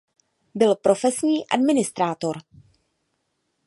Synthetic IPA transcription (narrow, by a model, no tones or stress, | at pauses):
bɪlpɾo̞fɛsɲiːʔa̰dmɪnɪst̪ɾaːt̪o̞ɾ